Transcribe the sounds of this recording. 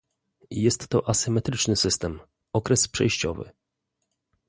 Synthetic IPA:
jɛst̪ːɔʔasɘmɛt̪ɾɘt͡ʂnɘsɘst̪ɛm | ɔkɾɛspʂɛ̰jɕt͡ɕɔvɘ̰

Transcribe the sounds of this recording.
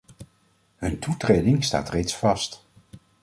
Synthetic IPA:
ɦɵntutrejdɪŋsta̰ːtrejtsfɑst

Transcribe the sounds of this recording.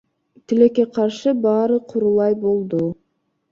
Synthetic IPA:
t̪ɪlekːeqʰɑɾʃɯbɑːɾɯqʰuɾulˠɑjbolˠd̪ʊ

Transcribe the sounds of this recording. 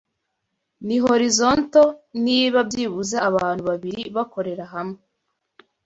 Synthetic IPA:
niɦo̞ɾizo̞nto̞niːβab̚ɟiːβuzaːβaːn̥huβaβiɾiβako̞ɾe̞ɾaɦame

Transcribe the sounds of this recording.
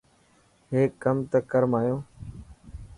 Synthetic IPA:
ɦeːkəmt̪əkəɾmaːjõː

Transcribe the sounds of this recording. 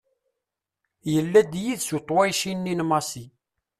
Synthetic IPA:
jəlːæd̪jiðsut̪ˤːwæjʃinːinmɑsi

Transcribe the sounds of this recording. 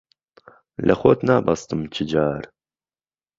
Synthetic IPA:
lʔəxoːt̪naːbɑst̪ɨmt͡ʃʰɨd͡ʒaːɾ

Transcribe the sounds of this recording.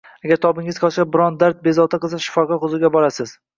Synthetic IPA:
aɡʲaɾt̪ʰɒbɪŋɪzqʰɒʃabɪɾɒnd̪aɾt̪̚be̞zɒt̪ʰaqɨzaʃɪ̥fɒqʰɑχʊzʊɡʲabɒɾasɪz̥

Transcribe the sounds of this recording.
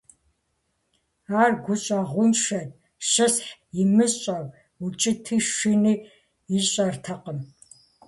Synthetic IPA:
aːrɡʷʊɕʼɐʁʷʊnʃɐd | ʃɐsħjɪmɨsɕʼɐv | ut͡ʃʼɪtʰiːʃʷiniː | iɕʼɐrtʰɐqəm

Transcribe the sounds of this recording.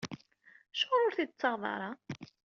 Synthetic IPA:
ʃʊɾˤʊɾθit͡sːɑʁðˤɑ̰ɾˤɑ

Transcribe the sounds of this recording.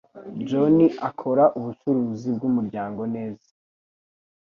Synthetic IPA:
d͡ʒoniʔakʰo̞ɾaʔuβut͡ʃuɾuːzibɡumuɾɟaːŋɡo̞ne̞ːzḁ

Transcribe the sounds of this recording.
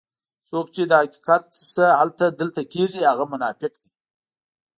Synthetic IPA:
sokt͡ʃed̪əhaki̥qat̪səhalt̪ad̪əlt̪akeʐihaɣamʊnɑfɪqd̪i

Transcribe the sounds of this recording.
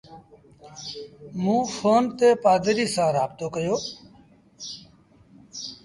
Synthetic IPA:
mũːfʰoːnt̪eːpaːd̪ɾiːsãːɾaːbt̪oːkəjoː

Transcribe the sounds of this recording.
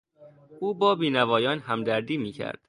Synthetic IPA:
ʔuːbɒːbiːnævɒːjɒːnhæmd̪æɾd̪iːmiːcʰæ̰ɾd̪̥

